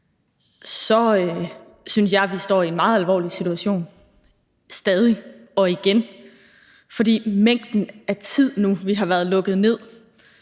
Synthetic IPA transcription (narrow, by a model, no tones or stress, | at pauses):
sɒ̽ø | synsjɑ̈ɪʋisd̥ɒ̰ːienmɑ̈ːð̞̩ˠælʋɒ̰ːlisit͡sʰuæɕo̝̰ːn | sd̥ɛːð̞ˠiɒ̽iɡ̥en | fɒ̽d̥ḭːmeŋ̰d̥n̩æt͡sʰið̞̰ˠnuʋiɦɑ̈ʋæːɐð̞ˠlɔ̽ɡ̥ð̩ˠne̝ð̰ˠ